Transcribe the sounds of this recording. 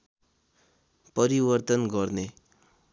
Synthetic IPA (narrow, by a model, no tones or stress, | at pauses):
pʌɾibʌrt̪ʌnɡʌrne